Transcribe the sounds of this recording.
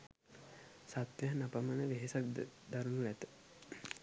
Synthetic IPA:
sat̪jaɦnapamənəʋeɦesak̚d̪d̪aɾunuʋæt̪ə̥

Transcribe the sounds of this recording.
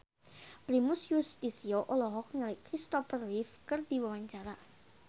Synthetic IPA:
pɾimusjust̪isioʔolɔɦɔk̚nəlɪkɾist̪ɔfərwifkərd̪iwawaɲt͡ʃaɾa

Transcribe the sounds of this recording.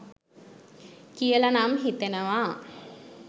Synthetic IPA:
kijəlanamɦit̪enəʋa

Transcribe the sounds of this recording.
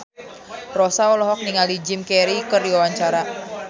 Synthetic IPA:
rɔsaɔlɔɦɔk̚niŋalid͡ʒɪmkɛɾikɨrdiwawaɲt͡ʃaɾa

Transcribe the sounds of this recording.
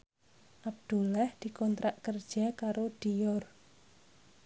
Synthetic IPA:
ʔab̚d̪̥ṳlɛhd̪̥i̤kɔnt̪ɾʔaʔkərd̥ʒ̥akaɾod̪̥ijɔr

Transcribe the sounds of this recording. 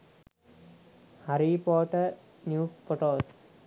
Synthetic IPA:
haɾipɔːʈə | njuːfoʈoːs

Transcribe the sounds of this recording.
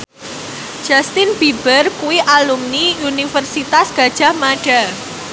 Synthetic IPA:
ʒ̥ast̪ɪnb̥ib̥ərkuwiʔalumniunifərsit̪asɡ̥a̤d̥ʒ̥a̤hmaɖ̥a̤

